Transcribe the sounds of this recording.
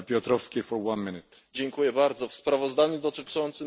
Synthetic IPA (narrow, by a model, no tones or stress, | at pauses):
pʲjɔt̪ɾɔfskʲefɔɾwanmʲinɨt̪d͡ʑɛŋkujɛbaɾd̪zɔfspɾavɔzd̪aɲud̪ɔt̪ɘt͡ʂɔnt̪sɘ